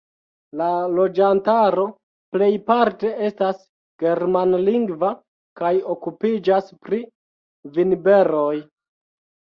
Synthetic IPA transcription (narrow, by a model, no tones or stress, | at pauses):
lalo̞d͡ʒantaɾo̞ | ple̞jpaɾte̞e̞stas | ɡ̥e̞ɾmanliŋɡva | kajo̞kupid͡ʒaspɾi | vinbe̞ɾo̞j